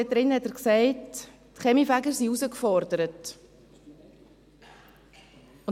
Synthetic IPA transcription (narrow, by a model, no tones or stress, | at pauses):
ɛt̚dɾɪnhɛtəɾksɛɪt | tχɛmifæɡəɾsiuzəkfɔɾdəɾət | ʊn